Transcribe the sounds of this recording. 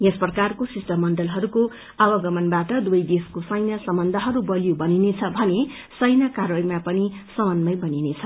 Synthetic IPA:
jesprʌkarkosisʈʌmːʌnɖʌlɦʌɾuko | awʌɡʌmʌnbaʈʌd̪uʌjd̪eskosʌjnʌsʌmbʌnd̪ʱʌɦʌɾubʌlijobʌninet͡sʰʌbʱʌne | sʌjnʌkarʌɡmapʌnisʌmʌnmʌjbʌninet͡sʰʌ

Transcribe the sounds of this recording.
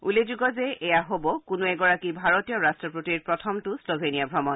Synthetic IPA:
ulezuɡɔzɛɛjaɦobɔkʊnuɛɡɔɹakibʱaɹotijɔɹastɹɔpɹutiɹpɹɔtʰɔmtʊslobʱenijabʱɹɔmɔn

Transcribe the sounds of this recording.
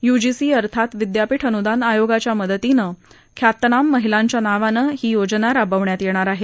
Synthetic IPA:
jud͡ʑisiːəɾt̪ʰat̪ʋid̪japiʈʰənud̪anajoɡat͡ɕjaməd̪ət̪inə | kʰjat̪ːnamːəɦilaɲt͡ɕjanaʋanəɦiːjod͡znaɾabəʋɳjat̪jeɽ̃aɾaɦe

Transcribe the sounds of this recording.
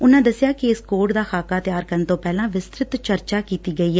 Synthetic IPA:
ʊnãːd̪əsːɪjaːkɪɪskoːʈd̪aːxʰaːkaːt̪ɪjaːɾkənt̪õːpɛːlãːʋɪst̪ɾɪt̪t͡ʃəɾt͡ʃaːkiːt̪iːɡəiːɛː

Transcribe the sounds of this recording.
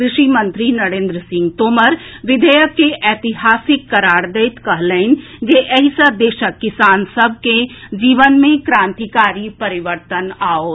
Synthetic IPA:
kɾɪʃimə̃nt̪ɾinɐɾẽːnd̪ɾəsɪ̃ŋɡt̪oːməɾʋɪd̪ʱəjəkːeʔɛːt̪ɪɦaːsɪkːɐɾaːɽd̪et̪kɐɦləɪn̆d͡ʒeʔɛɦisad̪eːʃəkːɪsaːnsəbʱked͡ʒiːʋənmẽkɾãːnt̪ikaːɾipəɾɪʋəɾt̪ənaːoː

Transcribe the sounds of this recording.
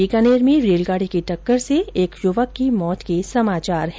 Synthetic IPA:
ikaːneːɾmẽɾeːlɡaːɽikiʈɐkːəɾseeːkjʊʋakimɔːt̪kesɐmaːt͡ʃaːɾɦ

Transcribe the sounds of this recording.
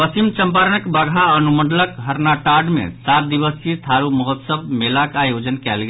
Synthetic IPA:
pəsimt͡ʃəmpaɾənəkbəɡʱaənumənɖ̪ləkɦəɾnaʈaɖmḛsat̪̚d̪iβəsit̪ʰaɾuməɦot̪səb̚melakajod͡ʒənkɛlɡe

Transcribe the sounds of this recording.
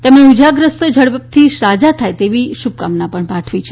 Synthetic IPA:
t̪emɽ̃eud͡ʒaɡɾəst̪d͡ʒʱəɽt̪ʰisad͡ʒat̪ʰajt̪eʋiʃub̚kamnapəɳpaʈʰʋit͡ʃʰe

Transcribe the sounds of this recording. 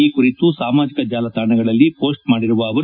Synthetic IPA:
ikuɾit̪usaːmaːd͡ʒikɐd͡ʒaːlɐt̪aːɳɐɡɐɭɐlːipo̞ːsʈ̚maːɽiɾuʋɐːʋɐ

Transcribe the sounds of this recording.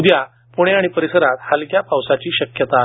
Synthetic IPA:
d̪ja | puɽ̃eaɽ̃ipəɾisəɾat̪halkjapawsat͡ɕiːɕəkjət̪a

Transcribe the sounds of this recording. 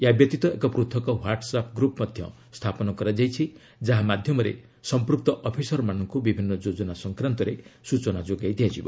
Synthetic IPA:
jabjɔt̪it̪ɔekɔpɾut̪ʰɔkɔwaɾʈsapɡɾupɔmɔd̪ʱjɔ̰ | st̪ʰapɔnɔkɔɾad͡ʒajt͡ʃʰi | d͡ʒaɦamad̪ʱjɔmɔɾḛ | sɔmpɾuk̚t̪ɔʔɔpʰisɔɾmanɔŋkubibʱinːɔd͡ʒod͡ʒɔnasɔŋkɾant̪ɔɾesut͡ʃɔnad͡ʒoɡajd̪ijad͡ʒibɔ̰

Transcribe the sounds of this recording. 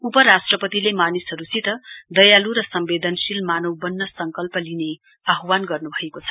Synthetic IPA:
upʌɾasʈrʌpʌt̪ilemanisɦʌɾusit̪ʌd̪ʌjaluɾʌsʌmbed̪ʱʌnsilmanʌwbʌnːʌsʌŋkʌlpʌline | aɦwanɡʌrnubʱʌekot͡sʰʌ̥

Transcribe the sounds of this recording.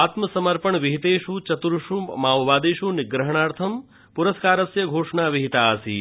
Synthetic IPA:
aːt̪mɐsɐmɐɾpɐɳʋiɦit̪eːʃut͡ʃɐt̪uɾʂumaːwʋaːd̪eːʃunɪɡɾɐɦɐɳaːɾt̪ʰɐm | puɾɐskaːɾɐsjɐɡʱoːʂɳaːʋiɦit̪aːɐsḭ

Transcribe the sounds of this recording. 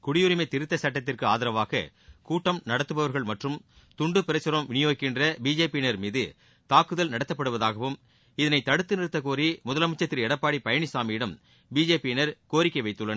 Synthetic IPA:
kʊɽɪjɯɾɪmɐɪt̪ɪɾɯt̪ːɐsɐʈːɐt̪ːɪrkɯaːðɪɾɐʋaːɣɐ̰ | kuːʈːɐmnɐɽɐt̪ːɯpɐʋɐɾɣɐɭmɐʈrɯm | t̪ʊɳɖɯpɛɾɐsɐɾɐmʋɪnɪjoːkɪndrɐbiːd͡ʒeːpinɐɾmiːðɯ | t̪aːkɯðɐlnɐɽɐt̪ːɐpːɐɽɯʋɐðaːɣɐʋɯm | ɪðɐnɐɪt̪ɐɽɯt̪ːɯnɪɾɯt̪ːɐkoːɾimʊðɐlɐmɯt͡ʃːɐt̪ːɪɾɛɽɐpːaːɽipɐjɐɳɪsaːmijɪɽɐm | biːd͡ʒeːpinɐɾkoːɾɪkːɐɪʋɐɪt̪ːɯɭːɐnɐ

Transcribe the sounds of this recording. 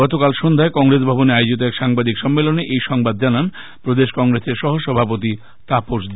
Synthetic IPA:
ɔt̪okalʃond̪ʱaekɔŋɾesbʱɔboneaeod͡ʑit̪oɛkʃaŋbad̪ikʃɔmːeloneʔejʃɔŋbad̪̚d͡ʑanan | pɾod̪eʃkɔŋɾeseɾʃɔɦoʃɔbʱapot̪̬i | t̪apoʃd̪

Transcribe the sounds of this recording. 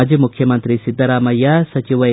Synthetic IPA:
d͡ʒimukʰjɐmɐnt̪ɾisid̪ʱːɐɾaːmɐjːasɐt͡ʃiʋɐ

